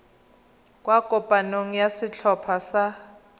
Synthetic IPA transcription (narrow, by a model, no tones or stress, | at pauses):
kʼwakʼɔpʼanoŋ̩jasit͡ɬʰɔpʰasa